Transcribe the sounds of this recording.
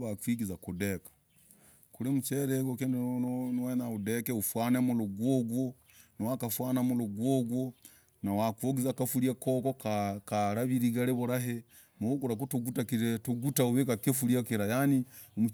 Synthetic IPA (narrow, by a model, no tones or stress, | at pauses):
βakwiɡizakudekḁ | kulimut͡ʃeɾeɡokennwenaudekeufwanemuluɡwoːɡwo | nawakafwaːnamuluɡwoɡwo | nawakwoɡizakafuɾiakoːkokakaɾaβiɾiɡaɾeβuɾaɦe | muukuɾak̬utuɡutakiɾetuɡutauβekakefuɾjakiɾajani | mu